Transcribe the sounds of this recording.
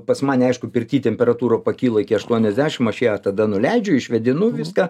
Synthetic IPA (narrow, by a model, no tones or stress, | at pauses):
pɐsmɐnʲɛɪʃkʊpʲɪrʲt̪ʲiːt̪ʲɛmʲpʲɛɾɐt̪uːɾoːpɐkʲiːlˠɐɪkʲɪɐʃt̪uɔnʲɛzʲd̪ʲæːʃʲɪmɐʃeːt̪ɐd̪ɐnʊlʲɛɪd͡ʒʲʊɪʃʲʋʲɛd̪ʲɪnʊʋʲɪskɑ